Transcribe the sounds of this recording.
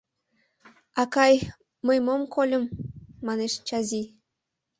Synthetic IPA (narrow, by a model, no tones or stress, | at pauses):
ɑkɑj | mɤjmomkolʲɤ̆mːɑneʃt͡ɕɑzi